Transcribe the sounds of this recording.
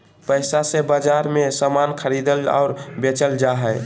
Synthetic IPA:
pəɪsasebad͡ʒaɾmesəmankʰəɾid̪əlɔ̰ʊɾbet͡ʃəld͡ʒaɦɛɪ

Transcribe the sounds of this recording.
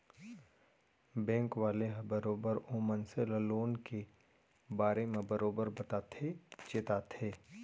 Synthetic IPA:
bɛ̃ːŋkʋaːleɦbəɾoːbəɾoːmə̃nseləloːnke | baːɾemẽbəɾoːbəɾbɐt̪aːt̪ʰet͡ʃɪt̪aːt̪ʰeː

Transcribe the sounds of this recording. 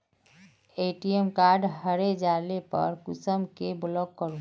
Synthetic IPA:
eʈijemkaɾɖɦəɾed͡ʒalepə̰ɾkusəmkeblɔɡkəɾu

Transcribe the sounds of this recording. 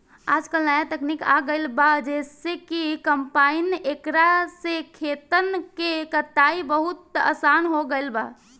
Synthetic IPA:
aːd͡ʒkəlnajat̪əknikaɡəɪlbad͡ʒesekikəmpainekɾasekʰet̪ənkekət̪ːaibəɦut̪̚ə̰sanɦoɡəɪlba̰

